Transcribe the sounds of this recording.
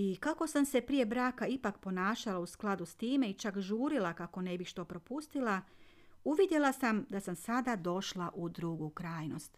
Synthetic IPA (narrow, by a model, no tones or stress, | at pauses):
ikako̞samse̞pɾije̞bɾaːkaipakpo̞naːʃalausklˠad̪ust̪iːme̞it͡ʃakʒuːɾilakako̞ne̞bixʃt̪o̞ːpɾo̞pust̪ilˠa | uʋid̪je̞lˠasamd̪asamsad̪ad̪o̞ʃlˠaʔud̪ɾuɡukɾaːjno̞st̪